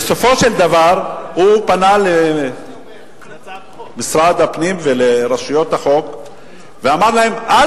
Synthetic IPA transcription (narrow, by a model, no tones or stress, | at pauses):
eso̞fo̞ʃe̞ld̪avaʁhupanale | misʁad̪hapnimveleʁaʃujo̞t̪aχo̞k | veamaʁlahe̞mʔa